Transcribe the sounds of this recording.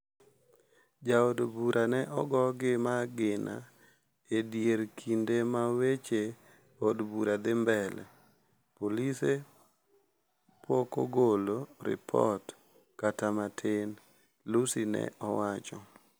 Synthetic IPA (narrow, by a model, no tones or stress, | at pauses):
d͡ʒaodbuɾʔanɛʔɔɡɔɡɪmaɡɪna̰ | edjeɾkʰindemawet͡ʃe | odbuɾad̪ɪmbɛlɛ̰ | polise | poko̰ɡoloɾɪ̰pʰɔ̰t | katamatʰɪn | lusinɛ̰ʔɔwat͡ʃɔ